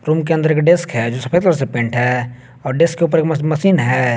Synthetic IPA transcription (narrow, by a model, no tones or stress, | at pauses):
ɾuːmk̬eənd̪əɾeːkɖɪskɦɛːd͡ʒoːsɐpʰeːkt̪əɾəsepẽːɳʈɦɛː | ɔːɾɖɪskːeuːp̬əɾeːkmɐsiːnɦɛː